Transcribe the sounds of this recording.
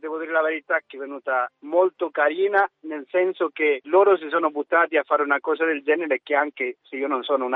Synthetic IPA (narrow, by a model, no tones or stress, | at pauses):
d̪ɛːvod̪iːɾelaveɾit̪akɛvenuːt̪amolt̪okaɾiːnanelsɛnsokeloːɾos̬isoːnobut̪ːaːt̪iafːaɾunakɔːs̬ad̪eld͡ʒɛːneɾekeaŋkeseiːononsoːnouna